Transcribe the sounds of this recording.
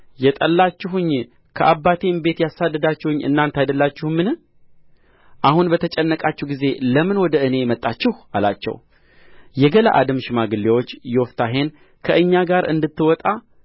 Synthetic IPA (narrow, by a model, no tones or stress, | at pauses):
jɛt̪ʼəlːat͡ʃːɪɦʊɲː | kʰəʔabːat̪ʰembe̞t̪jasad̪ːəd̪at͡ʃːɛhʊɲːɨ̰nːant̪ajd̪əlːat͡ʃːɪhmːɨnɨ | ʔahunbət̪ʰət͡ʃʼɛnːəkʼat͡ʃːɛwɡize̞ləmɨnwɔd̪əɨne̞mət̪ʼːat͡ʃːɪhala̰t͡ʃːɛ̰w | jɛɡəla̰ʔa̰d̪ɨmʃmaɡɨlːewot͡ʃːjɛwɔft̪ʰaɦe̞n | kʰəʔɨɲːaɡaɾɨ̰nd̪ɨt̪ːɨwɔt̪ʼa